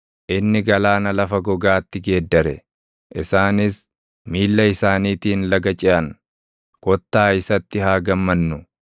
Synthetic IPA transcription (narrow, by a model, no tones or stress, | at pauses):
ʔɪnːɪɡɐlaːnɐlɐfɐɡɔɡaːt̪ːɪɡe̞ːd̪ːɐɾɛ̰ | ʔɪsaːnɪs | miːlːɐɪsaːniːt̪iːnlɐɡɐt͡ʃʼɪʔɐŋ | kɔt̪ːaːɪsɐt̪ːɪhaːɡɐmːɐnːʊ